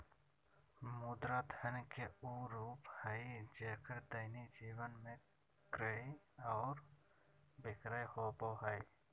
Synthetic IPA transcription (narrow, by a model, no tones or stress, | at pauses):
mʊd̪ɾad̪ʱənkeuːɾuːphəjd͡ʒeːkəɾd̪əɪnid͡ʒiːwənmẽ | kɾəiɔːɾ | bɪkɾəjhoboɦai